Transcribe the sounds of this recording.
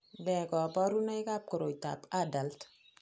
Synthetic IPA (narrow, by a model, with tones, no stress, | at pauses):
bɛ˨kɔ˨pɔ˦ɾu˦na˦jka˦p̚kɔ˨ɾo˨ta̰˨pa˦da˨lt